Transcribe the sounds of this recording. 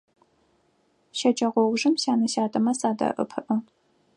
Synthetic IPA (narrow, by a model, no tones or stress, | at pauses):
ʃɐt͡ʃʼɐʁʷɔwʒɨmɕaːnɐɕaːtʼɐmɐsaːdɐ̰ʔɨ̰pʰɨʔɨ